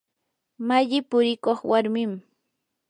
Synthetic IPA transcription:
maʎɪpʊɾɪkoχwaɾmɪm

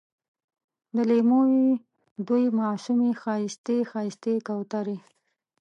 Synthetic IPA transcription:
d̪əlemowi | d̪ujmɑsumexɑjɪst̪exɑjɪst̪ekawt̪aɾi

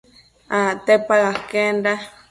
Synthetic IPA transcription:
ãt̪epaɣakenda

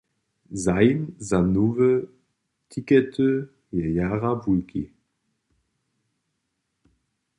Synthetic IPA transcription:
zajnzanuːvə | tʰikɛtʰø | jajaːʁavulkḭ

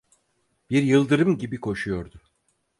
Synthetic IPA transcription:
b̥iɾjɯlˠd̪ɯɾɯmɟibikʰo̞ʃujo̞ɾd̪ʊ

